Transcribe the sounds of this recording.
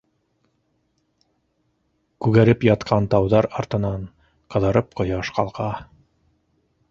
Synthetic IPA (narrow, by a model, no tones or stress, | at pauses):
kʉɣæɾɘpjɑt̪qʰɑnt̪ɑwðɑɾɑɾt̪ɤ̆nɑɴ | qɤ̆ðɑɾɤp̚qŏjɑʃqɑ̰lˠʁɑ